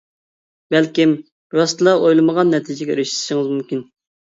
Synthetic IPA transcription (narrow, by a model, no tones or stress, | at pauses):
bælkʲim | ɾɑst̪lˠɑʔojlˠɨməʁɑnːɛt̪ʰɨd͡ʒɛɡʲɛɾɪʃʃɪŋɨzmumkʲin